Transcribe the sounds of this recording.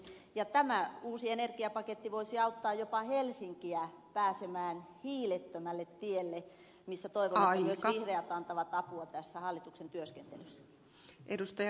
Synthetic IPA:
jɑt̪æmæuːsienerɡiɑpɑket̪ːiʋoisiɑut̪ːɑːjopɑhelsiŋkiæpæːsemæːnhiːlet̪ːømælːet̪t̪ielːe | misːæt̪oiʋonːimyøsʋihreɑt̪ɑnt̪ɑʋɑt̪ɑpuɑt̪æsːæhɑlːit̪uksent̪yøskent̪elysːæ̥ | ʔedust̪ɑj

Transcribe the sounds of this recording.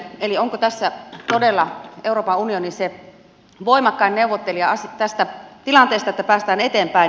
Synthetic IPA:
elioŋkot̪æsːæt̪odelːɑeuroːpɑunionise | ʋoimɑkːɑinneuʋot̪ːeliɑɑst̪æst̪æt̪ilɑnt̪eˑːst̪ɑet̪ːæpæːst̪æːnet̪eːmpæi

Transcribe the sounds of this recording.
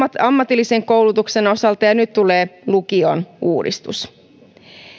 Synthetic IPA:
ɑmːɑt̪ilːise̞ŋko̞wlut̪ukse̞no̞sɑlt̪ɑjɑnyt̪t̪ːule̞ːlukionuːdḭst̪ṵs

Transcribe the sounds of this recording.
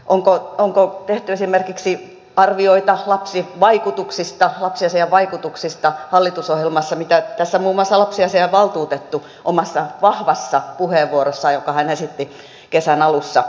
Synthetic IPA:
ʔoŋkooŋkot̪eht̪yesimerkiksi | ɑrʋioit̪ɑlɑpsiʋɑikut̪uksist̪ɑlɑpsiɑseɑʋɑikut̪uksist̪ɑhɑlːit̪usohjelmɑsːɑmit̪æt̪æsːæmuːmˑoɑsːɑlɑpsiɑseɑʋɑlt̪uːt̪et̪ːu | ʔomɑsːɑʋɑhʋɑsːɑpuheːʋːuorosːɑjokɑhænesit̪ːi | kesænɑlusːɑ

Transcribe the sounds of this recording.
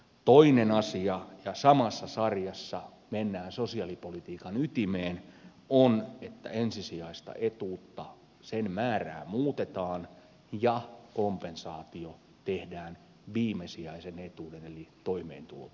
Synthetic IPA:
t̪oinenɑsiɑjɑsɑmɑsːɑsɑrjɑsːɑ | menːæːnsosiɑlipolit̪iːkɑnyt̪imeːn | onet̪ːæ̰ensisiɑist̪ɑ̰ʔet̪uːt̪ːɑ | senmæːræ̰ːmuːt̪et̪ɑːn | jɑkompensɑːt̪io | t̪ehdæːn | ʋiːmesiɑisenet̪uːdenelit̪oimḛːnt̪ulo̰t̪

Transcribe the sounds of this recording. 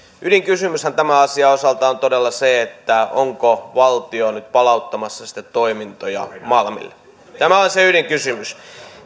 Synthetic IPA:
ʔydiŋkysymyshænt̪æmæɑsiɑosɑlt̪ɑont̪odelːɑseet̪ːæo̰ŋkoʋɑlt̪ionyt̪̚pɑlɑut̪ːɑmɑsːɑsi̥t̪ːæt̪t̪oimint̪ojɑ̰mɑlmḭl | t̪æmæoliseyliŋkysymys

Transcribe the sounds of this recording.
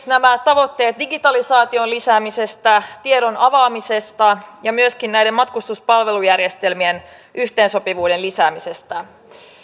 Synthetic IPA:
næmæt̪ɑʋo̞t̪ːe̞ːt̪̚diɡit̪ɑlisɑːt̪ionlisæːmise̞st̪æt̪ieɾo̞nɑʋɑːmise̞st̪ɑjɑmyøskinnæjdemmɑt̪kust̪uspɑlʋe̞lujærje̞st̪e̞lmien | ʔyht̪e̞ːnso̞piʋuːde̞nlisæːmise̞st̪æ

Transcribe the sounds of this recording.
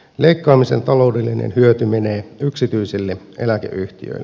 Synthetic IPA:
leikːɑːmise̞̰nt̪ɑlo̞wdelːinḛnhyøt̪ymeneːyksit̪yisilːe | ḛlækḛʔyht̪ḭø̰ilː

